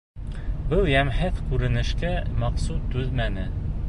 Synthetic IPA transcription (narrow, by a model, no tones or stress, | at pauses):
bɤlˠjæmhæθkʉɾɘ̆nɘ̆ʃkæmɑqsut̪ːʉðmænɘ